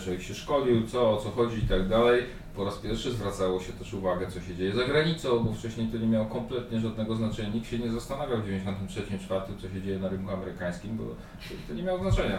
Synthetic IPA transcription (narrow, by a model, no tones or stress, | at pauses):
ʐɛiɕɛʂkɔd͡ʑiwt̪sɔːt̪sɔxɔd͡ʑiːt̪aɡd̪alɛj | pɔɾaspʲjɛɾfʂɘzvɾat̪sawɔɕɛt̪ɛʂuvaɡɛt̪sɔɕɛd͡ʑejɛzaɡɾaɲit̪sɔ̃w̃bɔft͡ʂɛɕɲejt̪ɔɲɛmʲjawɔkɔmplɛt̪ɲɛʐad̪nɛɡɔznat͡ʂɛɲaɲik̚t̪ɕɛɲɛzast̪anavʲjawvd͡ʑevʲjɲd͡ʑeɕɔ̃nt̪ɘmtʂɛt͡ɕimt͡ʂfaɾt̪ɘmt̪sɔɕ̬ɛd͡ʑejɛnaɾɘnkuamɛɾɘkaj̃skʲimbɔ̰ | ɛit̪ɔɲɛmʲjawznat͡ʂɛɲa